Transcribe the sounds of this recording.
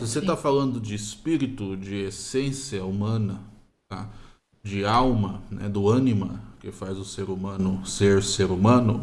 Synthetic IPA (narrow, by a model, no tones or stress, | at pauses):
sɪoset̪afalɐ̃nd̪ʊd͡ʒɪːspiɾit̪ʊd͡ʒɪesẽsiɐumɐ̃nɐ | t̪a̰ | d͡ʒɪawmɐnɛ̰d̪ʊɐ̃nimɐkɪfazʊseɾumɐ̃nʊseɾseɾumɐ̃nʊ